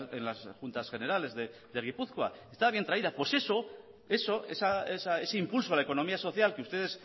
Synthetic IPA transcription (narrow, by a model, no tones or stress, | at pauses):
enlasxunt̪asxe̞ne̞ɾale̞zðeðe̞ɣipuθkwa̰est̪aβaβjet̪ɾaiðapwe̞se̞so̞ | e̞so̞esaesae̞seimpulso̞laeko̞no̞miaso̞θjalkeust̪e̞ðe̞s